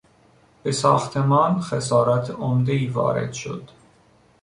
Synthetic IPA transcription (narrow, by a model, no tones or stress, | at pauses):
b̥esɒːxt̪ʰemɒːnxesɒːɾɒt̪ʰomd̪eiːvɒ̰ːɾḛd̪̥ʃo̰d̪̥